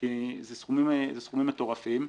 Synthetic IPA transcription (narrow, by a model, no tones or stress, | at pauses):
izesχumimzesχumimat̪o̞ʁafim